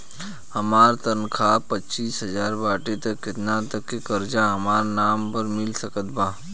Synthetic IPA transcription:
həmaːɾt̪ənkʰaːpətːt͡ʃiːsɦəzaːɾbaːʈit̪ɐkːɪt̪nat̪ɐkːekəɾd͡ʒaɦɐmaːɾnaːmpəɾmɪlsəkət̪̚baː

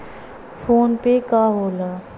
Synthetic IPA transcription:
fʰoːnpekaɦoːlaː

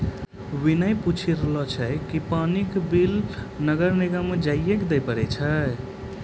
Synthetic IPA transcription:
winəjput͡ʃʰiɾlɔt͡ʃʰəkipanikbilnəɡəɾniɡamed͡ʒajjekd̪əjpəɾɛt͡ʃʰə

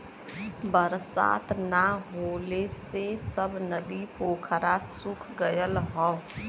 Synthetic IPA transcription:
bəɾsa̰ːt̪naɦoːlesesəbnəd̪ipoːkʰɾasʊkʰɡəjəlɦɔː

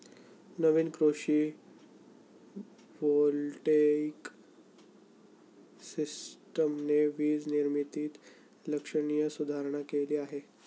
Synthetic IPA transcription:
nəʋiːnkɾoʂiː | ʋolʈek | sisʈəmneʋiːd͡zniɾmit̪iːt̪ | ləkʂəɽ̃ijəsud̪ʱaɾɳ̃akeliːaɦe

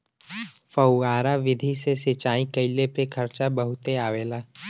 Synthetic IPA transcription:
fəʊaːɾaʋɪd̪ʱisesɪt͡ʃaːĩkɐɪlepekʰɐɾt͡ʃabəɦʊt̪eaːʋeːlaː

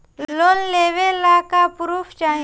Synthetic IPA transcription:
loːnleːʋelaːkapɾuːpʰt͡ʃaːɦ

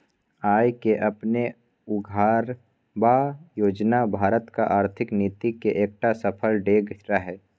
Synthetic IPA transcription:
aːjkeʔɐpne | ʊɡʱaːɾ | bajoːd͡ʒnabʱaːɾət̪kaʔaːɾt̪ʰɪkniːt̪ikeʔeːk̚ʈasəpʰəlɖeːɡɾaɦɛː

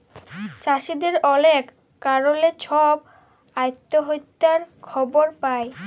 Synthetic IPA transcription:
t͡ɕaʃid̪eɾɔlek | kaɾolet͡ɕʰɔb | ajt̪ːoɦojt̪ːaɾkʰɔboɾpae

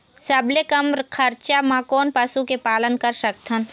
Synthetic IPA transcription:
sɐblekəmɾkʰɐɾt͡ʃamãkɔːnpɐsukepaːlənkəɾsək̚t̪ʰən

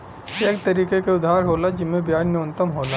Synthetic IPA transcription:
eːkt̪ɐɾiːkekeʊd̪ʱaːɾɦoːlad͡ʒɪmẽbjaːnnjoːnt̪əmɦoːlaː

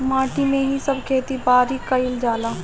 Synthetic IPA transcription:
mãːʈimẽɦisɐbkʰeːt̪ibaːɾɦikɐɪld͡ʒaːlaː

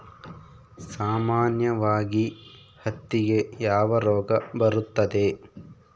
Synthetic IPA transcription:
saːmaːnjɐʋaːɡi | hɐt̪ːiɡe̞jaːʋɐɾɔːɡɐbɐɾut̪ːɐd̪e̞

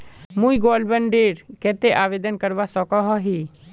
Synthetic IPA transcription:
mũːiɡoːlbəɳɖeːɾkɛːt̪eʔaːʋeːd̪ənkəɾʋasɔkɔɦɔɦiː

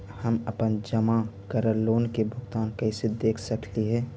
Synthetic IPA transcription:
həməpənd͡ʒəmakəɾəɾlːoːnkebʱʊɡt̪aːnkəɪsed̪eːkʰsəkliɦɛː

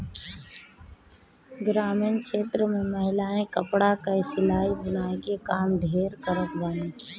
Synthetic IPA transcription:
ɡɾaːmɪːnkʰeːt̪ɾəmẽməɦɪlaːẽkəpɽakəisɪlaːibɪnaːikekaːmɖʱeːɾkəɾət̪baːnĩː

